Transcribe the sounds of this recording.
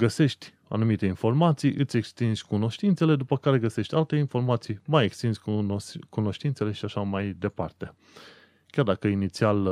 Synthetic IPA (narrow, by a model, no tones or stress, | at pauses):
ɡəse̞ʃt̪ʲ | a̰numit̪e̞info̞rmat̪sijʔɨt̪sʲe̞kst̪inzʲkuno̞ʃt̪int̪sele̞d̪upəkaɾe̞ɡəse̞ʃt̪ʲalt̪e̞info̞rmat̪sijmajekst̪inzʲkuno̞ʃt̪int̪se̞le̞ʃiaʃamajd̪e̞part̪e̞ | kʲjard̪akəinit̪sial